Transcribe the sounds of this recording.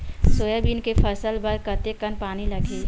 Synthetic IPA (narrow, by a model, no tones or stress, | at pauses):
soːjabiːnkepʰɐsəlbəɾkɐt̪ekənpaːnilɐɡʱeː